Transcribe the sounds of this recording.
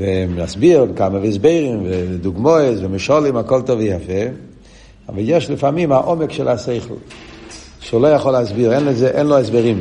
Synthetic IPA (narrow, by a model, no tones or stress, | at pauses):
vɪmasbiʁmkaməvɪɛs̬beɪʁimvɪd̪ʊɡmɔɪsvɪmɪʃɔlimakɔlˠtɔvɪjafɛ | a̰valˠjɛʃlɪfamimaʔɔmɛkʃɛlaseɪχl̩ˠ | ʃeulˠojaχɔlasbiʁɛnlɛzɛʔɛnlˠoɛs̬beʁim